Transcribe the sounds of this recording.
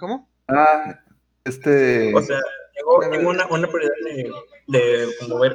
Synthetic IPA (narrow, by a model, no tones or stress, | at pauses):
komo | a | est̪eose̞ajeɣo̞t̪eŋɡounaʔunapɾjoɾjiðaððe | d̪e̞komoβeɾ